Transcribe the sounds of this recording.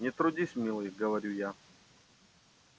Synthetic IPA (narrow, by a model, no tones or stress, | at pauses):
nʲɪt̪ɾʊdʲisʲmʲilˠɨjɡəvɐɾʲuja